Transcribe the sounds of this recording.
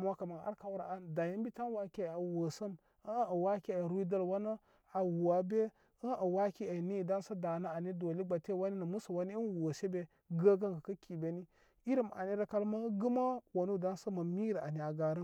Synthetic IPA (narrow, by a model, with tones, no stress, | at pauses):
m˦a˦ka˨ma˨a̰˦ɾka˦wɾa̰˨a˦nda˨ji˦mbi˦ta˦n˦wa˦ki˦˨a˨wo˨sə˦m | ə˦ə˨wa˦ki˦e˨ɾu˦i˦da˦lwa˦no˦ | a˨wu˨a˨be˦ | ə˦ʔə˨wa˦ki˦e˨ni˦˨da˦nsa˦da˨na˦a˨ni˦do˨li˦ɡ͡ba˨te˦˨wa˦ni˦nə˨mu˦sa˨wa˦ni˦i˦nwo˨se˦be˨ | ɡa˦ɡa˦ŋɡa˨ka˦kʰi˨be˨˦ni˦ | i˦ɾi˦˨m˨a̰˨ni˦ɾa˦ka˦lma˦ɡə˦ma˦wa˨nu˦˨da˦nsə˦ma˨mi˦ɾa̰˨ni˨a˨ɡa˨ɾə˦